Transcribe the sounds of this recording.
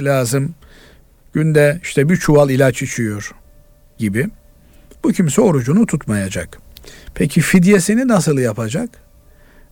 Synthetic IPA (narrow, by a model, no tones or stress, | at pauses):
lʲaːzɯm | ɟ̥ynd̪ɛiʃt̪ʰɛbit͡ʃʰuvalˠilʲat͡ʃit͡ʃʰijo̞ɾ̥ | ɟibi | b̥ucʰimsɛo̞ɾud͡ʒunut̪ʰut̪majad͡ʒak | pʰecʰifid̪jesininasɯlˠjapʰad͡ʒak